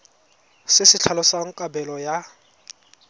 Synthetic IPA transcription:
sɪsɪt͡ɬʰalɔsaŋ̩kʼabɛlɔja

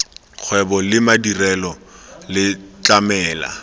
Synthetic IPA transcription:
q͡χʰwɛbɔlɪmadirɛlɔlɪt͡ɬamɛːla̰

